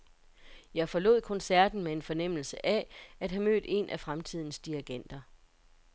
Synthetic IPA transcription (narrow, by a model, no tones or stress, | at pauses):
jɑ̈ɪfɒ̽lo̝̰ð̰ˠkʰɒ̽nsæɐ̰d̥n̩mee̝nfɒ̽nem̰l̩səʔææd̥ɦæmø̰ːd̥e̝̰nʔæfʁamt͡sʰið̰ˠn̩sd̥iæɡ̥en̰d̥ɐ